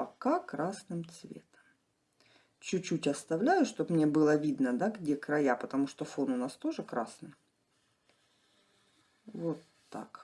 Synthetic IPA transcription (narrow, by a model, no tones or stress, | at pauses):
pɐkakɾasnɨmt̪svʲḛt̪ə̥m | t͡ɕʉt͡ɕːutʲɐst̪ɐvlʲæjʊʂt̪opmnʲebɨlˠəvʲid̪nəd̪aɡdʲekɾɐjapət̪ɐmuʂt̪ofonʊnast̪o̞ʐɨkɾasnɨj | vot̪ːa̰k